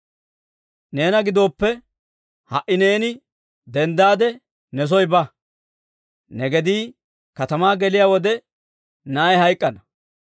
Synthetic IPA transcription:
ne̞ːnɐɡɪd̪o̞ːpːɛ | hɐʔɪne̞ːnɪ | d̪ɛnd̪aːd̪ɛ | nɛs̬ɔjbɐ | nɛɡɛd̪iː | kɐt̪ɐmaːɡɛlɪjaːwɔd̪ɛ | najhɐjkʼːɐnɐ

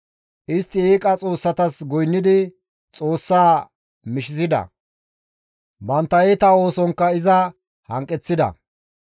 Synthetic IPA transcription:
ʔɪst̪ːɪeːkʼɐt͡sʼo̞ːsːɐt̪ɐsɡɔjnːɪd̪ɪ | t͡sʼo̞ːsːaː | mɪʃɪsɪd̪ɐ̰ | bɐnt̪ːɐjet̪ɐo̞ːsɔŋkːɐɪzɐ | hɐ̰ŋkʼːɛt͡sːɪd̪ɐ̰

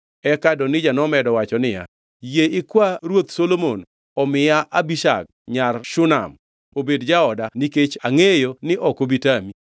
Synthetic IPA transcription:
ɛkadɔnɪd͡ʒanɔmɛdɔwat͡ʃɔnɪja̰ | jeɪkwaɾwot̪solomon | ɔmɪjaʔabiʃa̰k̚ɲarʃʊna̰m | obedd͡ʒaɔdaniket͡ʃaŋejonɪʔɔkobitami

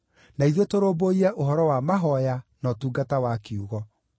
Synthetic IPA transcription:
naiðotoɾoːboiɾɛʔoɦɔɾɔwamaɦɔjanɔtuːɡatawakeuɣɔ

